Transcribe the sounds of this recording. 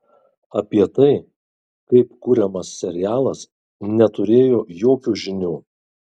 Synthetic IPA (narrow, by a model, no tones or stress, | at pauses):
ɐpʲiɛt̪ɐɪ | kɐɪpkuːɾʲɛmɐsːʲɛɾʲɪjæːlˠɐs | nʲɛt̪ʊɾʲeːjoːjoːkʲuːʒʲɪnʲuː